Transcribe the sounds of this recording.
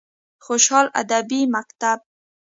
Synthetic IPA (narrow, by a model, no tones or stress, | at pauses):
xoʃhɑla̰d̪abimakt̪ab̚